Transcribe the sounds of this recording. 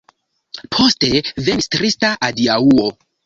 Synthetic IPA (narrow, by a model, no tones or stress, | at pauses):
pʰo̞ste̞venstɾistaʔadiauo